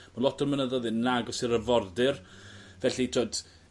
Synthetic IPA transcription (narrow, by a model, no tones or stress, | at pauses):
malɔtʰərmənəðɔðɨnnːaɡɔsɪɾəvɔrdɪrvɛɬitʰoːd̥